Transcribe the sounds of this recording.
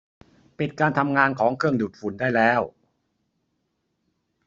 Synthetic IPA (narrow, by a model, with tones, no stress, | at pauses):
pi˨˩t̪̚kaː˧nt̪ʰa˧mŋaː˧nkʰɔː˩˦ŋkʰɯ˥˩əŋduː˨˩t̪̚fu˩˦ndaː˥˩jlɛː˦˥˩w